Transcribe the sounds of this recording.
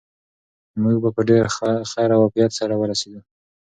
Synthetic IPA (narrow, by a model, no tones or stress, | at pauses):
muɡ̚bapəɖeɾaaxaɾawaqijat̪saɾawəɾased̪u